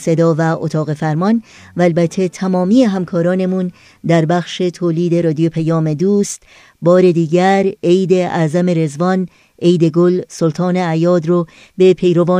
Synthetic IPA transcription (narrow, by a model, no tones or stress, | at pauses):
se̞d̪ɒːvæʔo̰t̪ʰɒːɣe̞fæɾmɒn | væːlbæt̪ʰːet̪ʰæmɒːmiːeɦæmkʰɒːɾɒːne̞mun | d̪æɾbæxʃe̞t̪ʰoːliːd̪e̞ɾɒːd̪ijopʰæjɒːme̞d̪uːst̪ | bɒːɾe̞d̪iːɟæɾejd̪e̞ʔæːzæme̞ɾe̞zvɒn | ejd̪e̞ɡolsolt̪ʰɒːneæjɒːd̪ɾo | be̞pʰe̞jɾo̞vɒː